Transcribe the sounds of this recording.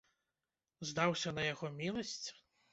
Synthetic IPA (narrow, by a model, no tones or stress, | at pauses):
zd̪awsʲɐnɐjaɣɔmʲilˠɐsʲt͡sʲ